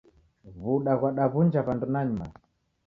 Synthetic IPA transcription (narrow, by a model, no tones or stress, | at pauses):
βuɗaɣwaɗaβund͡ʒaβandunaɲuma̰